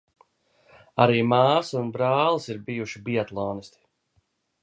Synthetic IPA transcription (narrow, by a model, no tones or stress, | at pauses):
aɾiːmaːsunbɾaːlˠisiɾbijuʃibiɛt̪lˠɔːnisʲt̪i̥